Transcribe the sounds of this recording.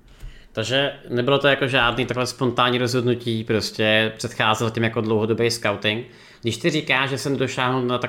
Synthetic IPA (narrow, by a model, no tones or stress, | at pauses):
t̪aɡʒɛnɛbɪlo̞t̪ojakoʒaːdniːt̪aklɛspo̞nt̪aːɲiːɾozɦo̞dnuciːpɾoscɛpr̥ɛt̪xaːzɛlcɛmjakodlowɦodobejskawt̪ɪŋk | ɡdɪʃt̪ɪrikaːʒʒɛsɛmnɛdo̞ʃaːɦnunat̪a